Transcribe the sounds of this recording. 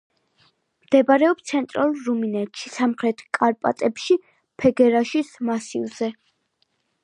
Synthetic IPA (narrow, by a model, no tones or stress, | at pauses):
md̪̥ɛbaɾɛɔpst̪sʰɛnt̪ʼɾalˠɾuminɛt̪ʃisamχɾɛt̪ʰkʼaɾpʼa̰t̪ʼɛpʃi | pʰɛɡɛɾaʃismasḭlˠz̥ɛ